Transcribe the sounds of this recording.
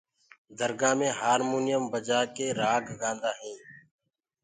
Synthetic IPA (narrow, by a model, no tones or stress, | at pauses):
d̪ʱəɾɡãːmẽːɦaːɾmuːnɪjəmbəd͡ʒaːkeːɾaːɡɡãːnd̪aːɦẽː